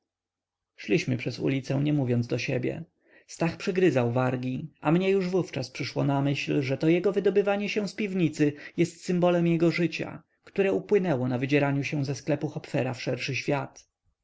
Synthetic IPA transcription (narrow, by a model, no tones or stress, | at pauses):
ʂlʲiɕmɘpʂɛsṵlʲit̪sɛ̃ɲɛmuvʲjɔnd̪zd̪ɔɕɛbʲjɛ̰ | st̪axpʂɘɡɾɘzawvaɾɡʲiamɲɛjuʐvuft͡ʂaspʂɘʂwɔ̰namɘɕlʐɛt̪ɔjɛɡɔvɘd̪ɔbɘvaɲɛɕɛ̃w̃spʲivɲit̪sɘjɛst̪sɘmbɔlɛmjɛɡɔʐɘt͡ɕa̰ | kt̪uɾɛupwɘnɛwɔnavɘd͡ʑɛɾaɲuɕɛ̃zɛsklɛpuxɔpfɛɾafʂɛɾʂɘɕfʲjat̪